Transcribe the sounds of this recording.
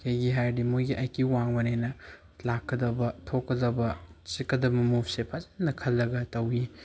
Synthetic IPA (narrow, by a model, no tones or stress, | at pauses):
kʰejɡiɦaɾdimujɡiʔɐjkiwaŋbɐnejnɐ | lakːɐd̪ɐbɐtʰokːɐdɐbɐt͡ʃikːɐd̪ɐmɐmup̚ʰsepʰazanːɐkʰɐlːɐɡɐtɐwi